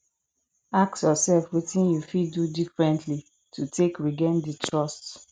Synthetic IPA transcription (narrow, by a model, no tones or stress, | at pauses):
ak̚tjɔsɛlfwetĩnjufiddudifɹɛ̃ntʰli | tʰutʰekɹiɡɛ̃nditʰɹɔst